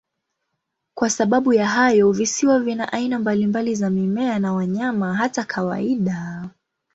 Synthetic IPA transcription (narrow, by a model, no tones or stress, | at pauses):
kwasaɓaɓujaɦajɔvisiwavinaʔainambalimbalizamimɛanawaɲamaɦatakʰawa̰iɗa